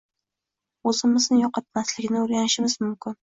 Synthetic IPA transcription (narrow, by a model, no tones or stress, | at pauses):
ɵzɪmɪznɪjɒqɑt̪̚maslɪɡʲɪnɪoɾɡʲanɪʃɪmɪzmʊmkʲɪn